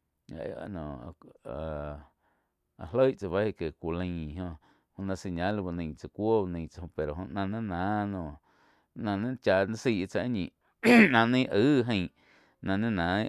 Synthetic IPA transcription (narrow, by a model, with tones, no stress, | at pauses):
a̰˨ʔḛ˦˨a̰˧nõ˨a˨ | a˨ɦlə˦jʔt͡sa˧βa˦i˧˨ke˨kʷu˨lə̃˧˨ɦõ˧ | hõ˧nã˧si˧˨ɲã˦lu˧ba˧nə̃˧˨t͡sa˨kʷo˦˧nə̃˧˨t͡sa˧õ˧˨pe˨ɾo˨ɦõ˧ʔnã˧nẽ˦nã˨˦nõ˧˨ | nã˧nẽ˦t͡ʃa˧ʔnã˦si˧˨ʔt͡sa˧˦ɲĩ˨ | nã˧nĩ˦˧ʔɨː˦ɦə̃˧˨ | nã˧nẽ˦nã˨˦